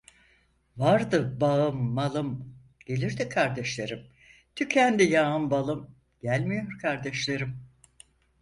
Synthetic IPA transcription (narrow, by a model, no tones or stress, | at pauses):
vaɾd̪ɯbaɯmːalˠɯm | ɟ̥e̞lʲiɾd̪ikʰaɾd̪ɛʃlʲeɾɯm | t̪ʰycʰænd̪ijaɯmbalˠɯm | ɟ̥ælʲmijo̞ɾkʰaɾd̪ɛʃlʲˠeɾɯm